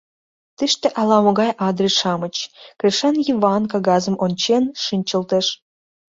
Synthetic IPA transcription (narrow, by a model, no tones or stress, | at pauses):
t̪ɨʃt̪ĕʔɑlˠɑmŏɣɑjʔɑd̪rʲiʃɑmət͡ɕkrʲiʃɑnjivɑnkɑɡɑzə̆mʔont͡ɕenʃɨnʲt͡ɕə̆lt̪ĕʃ